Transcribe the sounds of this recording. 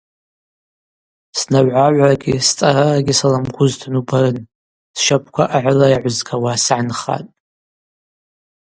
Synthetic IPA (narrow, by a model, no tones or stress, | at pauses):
snaɥʕaʕʷaɡʲist͡sʼaɾaaɡʲisalamkʷʰʊztʰanubaɾɨn | sʃapʰkʷʰaʔaʕʷʊlajʕʷʊzɡʰawasaʕanχa̰tʼ